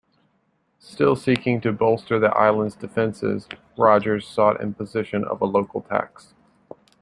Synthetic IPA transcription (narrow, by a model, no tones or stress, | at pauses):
stɪlˠsikɪ̃ŋtʰɨbɔlˠstə˞ðiʔa̰ɪlˠə̃ndzdɨfɛ̃nsɪ̰z̥ | ɹɑd͡ʒə˞z̥sɔɾɪ̰̃npəzɪʃɨ̃nʌ̰vəloʊkl̩ˠtʰæ̰ks